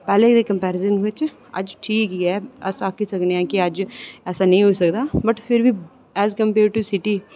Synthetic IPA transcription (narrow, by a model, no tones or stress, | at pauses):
pɛːlẽd̪eːkəmpɛːɾɪzənʋɪt͡ʃ | ə̰d͡ʒʈʰiːkiɛːəsaːkisəkneɛ̃ːkiəd͡ʒɛːsaːnəĩːɦoːisəkd̪aːbəʈpʰɪɾʋiː | ɛːzkə̃mpeːɾɖ̚ʈuːsɪʈiː